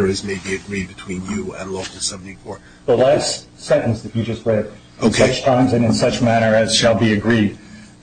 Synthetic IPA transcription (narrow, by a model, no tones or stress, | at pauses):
ə˞ɨzmeɪbiɨɡɹid̚bɨtʰw̥ĩnjɨɨ̰̃nloʊkl̩ˠsɛvnɪ̃fɔɹ | ðəlaɪ̥s | sɛ̃ñʔnsðɨt͡ʃɨd͡ʒʌst̚ɹɛɾ | oʊkʰʌt͡ʃtʰãɪ̃mzɨ̃nɨ̃nsʌt͡ʃmæɾ̃ə˞ɨz̥ʃəlˠbiɨɡɹid̥̚